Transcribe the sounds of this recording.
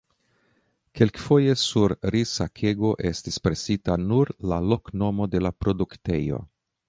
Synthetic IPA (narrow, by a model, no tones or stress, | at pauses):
ke̞lkfo̞je̞suɾɾisakʰe̞ɡo̞ʔe̞stispɾe̞sitanuɾlalo̞kno̞mo̞de̞lapɾo̞dukte̞̰jo̞̰